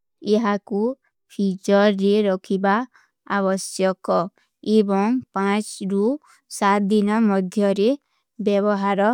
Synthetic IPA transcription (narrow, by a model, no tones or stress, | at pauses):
eɦaku | pʰit͡ʃɔɾːeɾɔkʰiba | abɔsjɔkɔ | ebɔŋpãt͡ʃɾu | sat̪̚d̪inɔmɔd̪ʱjɔɾe | bjɔbɔɦaɾɔ